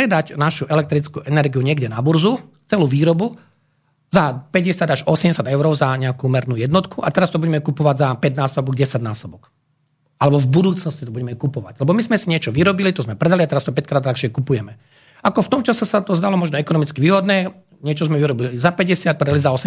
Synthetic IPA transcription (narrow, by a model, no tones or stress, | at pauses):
ɛd̪acnaʃuʔɛlɛkt̪ɾit͡skuʔɛnɛɾɡijuɲɪɛɡɟɛnabuɾzu | t͡sɛluːʋiːɾɔbu | zapɛɟɛsɪad̪aʒɔsɛmɟɛsjad̪ɛʊɾɔʊzaɲɛakumɛɾnuːjɛd̪nɔt̪kʰuʔa̰t̪ɛɾast̪ɔbuɟɛmɛkupɔʋaɟzapɛd̪naːsɔbɔɡɟɛsaɟnaːsɔbɔk | alɛbɔvbud̪uːt͡snɔsci̥t̪ɔbuɟɛmɛkupɔʋa̰ɟlɛbɔmizmɛsiɲɪɛt͡ʃɔʋiɾɔbilit̪ɔzmɛpɾɛd̪aliat̪ɛɾast̪ɔpɛckɾaːd̪ɾaxʃɪɛkupujɛmɛ | akɔft̪ɔmt͡ʃasasat̪ɔzd̪alɔmɔʒnɔɛkɔnɔmit͡skiʋiːɦɔd̪nɛ | ɲɪɛt͡ʃɔzmɛʋiɾɔbilizapɛɟɛsɪat̪̚pɾɛd̪alizaɔsɛ